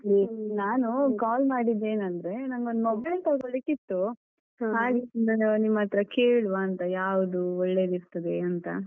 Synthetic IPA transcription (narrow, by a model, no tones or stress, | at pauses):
inaːnukaːlmaːɽid̪ːe̞ːnɐnd̪ɾe̞nɐŋɡo̞nd̪mobɐlt̪ɐɡoɭikit̪ːu | ɦaːliind̪ɐnenimːɐɐt̪ɾɐkeːɭʋaːnt̪ɐjaːʋd̪uɔɭːe̞ːd̪iɾt̪ɐd̪eɐnt̪ɐ̰